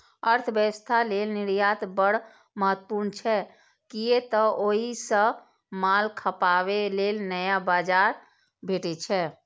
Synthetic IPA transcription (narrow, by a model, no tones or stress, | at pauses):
əɾt̪ʰbjəwəst̪ʰalelniɾjat̪bəɽ̤ | məɦət̪ːpuɾnt͡ʃʰɛ | kijet̪əoɦisə̃ | malkʰəpaʋelelnəjabad͡ʒaɾ | bʱeʈɛt͡ʃʰɛ